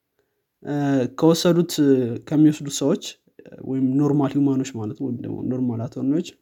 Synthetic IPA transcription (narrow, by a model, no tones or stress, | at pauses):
kʰəwɔsːəd̪ut̪kʰəmːiwɔsd̪usəwot͡ʃː | wɔ̰jɪmno̞ɾmalhimano̞t͡ʃːmalət̪d̪ə̰no̞ɾmalat̪ʰonot͡ʃː